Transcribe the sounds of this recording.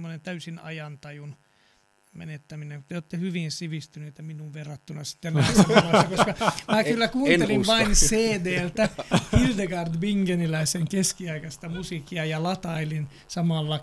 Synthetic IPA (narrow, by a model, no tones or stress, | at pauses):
mːonent̪æysinɑ̰jɑnt̪ɑjun | mḛnet̪ːæmineŋkut̪eoːt̪ːehyʋinsiʋist̪yneit̪æminuʋʋerːɑt̪ːunɑsi̥t̪ːensːæpeɑsːɑkoskɑmæːkylːækuːeliʋʋɑinseːdeːlt̪æhild̪eɡɑrd̪biŋɡenilæiseŋkeskiɑikɑst̪ɑmusikːiɑjɑlɑt̪ɑilin | sɑmɑlːɑ